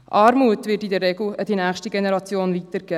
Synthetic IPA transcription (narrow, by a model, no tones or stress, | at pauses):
ʔɑːɾmuətvɪtidɛɾːɛɡl̩əd̥inæːxʃtiɡenɛɾɑt͡sjoːnvitəɾɡ̥ɛ